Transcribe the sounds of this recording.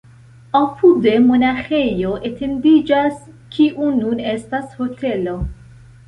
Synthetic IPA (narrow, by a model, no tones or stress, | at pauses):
apʰude̞mo̞naxe̞jo̞ʔetʰe̞ndid͡ʒaskʰiʔunune̞stasho̞tʰe̞lo̞